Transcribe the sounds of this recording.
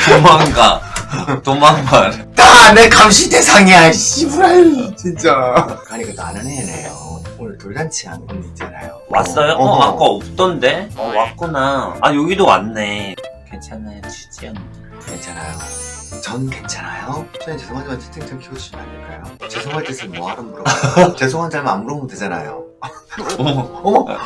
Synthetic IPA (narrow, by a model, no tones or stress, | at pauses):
tomaŋɡa | tomaŋbantanekamɕʰide̞sʰaŋiɦaɭɕ͈ibuɾajt͡ɕint͡ɕ͈akaɲik͈atoanɯnenḛjoonɯɭtoɭɡant͡ɕʰia̰nkʰɯnint͡ɕʰana̰jowa̰s͈ʌjoʌak͈aːʌp̚t͈ʌnde̞ʌwak͈onaajoɡidowa̰nːe̞kʰet͡ɕʰanet͡ɕʰi̥t͡ɕ͈ʰianːɯ | kent͡ɕʰanajot͡ɕʰʌnkent͡ɕʰanajot͡ɕ͈ʰʌt͡ɕe̞sʰoŋɦand͡ʑamɯnt͡ɕʰe̥t͈ʰeŋt͡ɕʰɯŋkʰiɡoɕ͈imanːɯɭk͈ajot͡ɕe̞sʰoŋɦaɭt͈esʰɯɭmoɦaɾɯmuɾot͡ɕe̞s̬ʰoŋɦand͡ʑamamuɾomɯnted͡ʑana̰jo